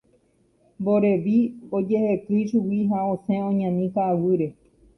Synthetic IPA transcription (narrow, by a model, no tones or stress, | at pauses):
boɾeʋiod͡ʒehekɨʃuwiɦaõsẽõɲãnĩkaːwɨɾe̞